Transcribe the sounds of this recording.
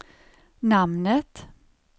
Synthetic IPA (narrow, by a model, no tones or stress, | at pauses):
namnət̪